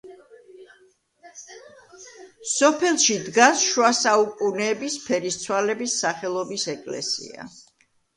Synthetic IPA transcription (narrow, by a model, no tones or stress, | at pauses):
sɔpʰɛlˠʃid̪ɡasʃwasaukʼunɛːbispʰɛɾist̪sʰwalɛbisːaχɛlˠɔbisɛkʼlɛ̰sḭa̰